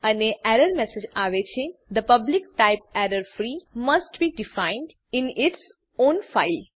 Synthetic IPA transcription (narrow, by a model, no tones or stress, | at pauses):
ɐneʔɛɾəɾmɛsed͡ʒaʋet͡ʃʰed̪əpɐblɪk̚ʈaɪp̚ɛɾəɾfɾimɐsʈbiːɖɪfãɪ̃nɖ | ɪ̃nɪʈs | õːnfaɪl